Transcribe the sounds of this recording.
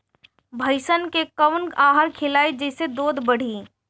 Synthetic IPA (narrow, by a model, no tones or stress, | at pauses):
bʱɐɪʃənkekɐʋnaːɦəɾkʰɪlaːid͡ʒɛːsed̪oːd̪bɐɽ̤iː